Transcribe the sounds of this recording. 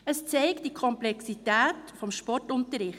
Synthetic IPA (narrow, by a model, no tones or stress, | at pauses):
əst͡sɛɪktd̥ikʰɔmplɛksitæːtfɔmʃpɔrtʊntəɾɪχ